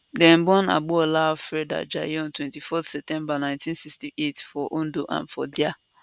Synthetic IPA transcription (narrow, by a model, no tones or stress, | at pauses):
dɛ̃nbɔ̃na̰ɡ͡boɔlafɾɛda̰d͡ʒa̰jɔ̃ntwɛ̃ntifɔtsɛp̚tɛ̃mbanãɪ̃ntĩnsistiʔetfɔʔõndoʔã̰nfɔdia